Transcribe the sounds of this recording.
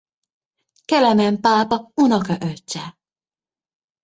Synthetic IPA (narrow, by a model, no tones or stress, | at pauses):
kɛlɛmɛmpaːpɒunɒkɒʔøt͡ʃːɛ